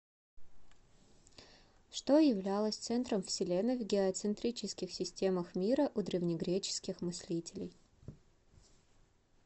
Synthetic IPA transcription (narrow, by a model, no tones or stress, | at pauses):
ʂt̪ojɪvlʲalˠəsʲt̪sɛnt̪ɾəmfsʲɪlʲe̞nːəvʲɡʲɪət̪sɨnt̪ɾʲit͡ɕɪskʲɪxsʲɪsʲtʲe̞məxmʲiɾəʔʊd̪ɾʲɪvnʲɪɡɾʲet͡ɕɪ̥skʲɪxmɨsʲlʲitʲɪlʲɪj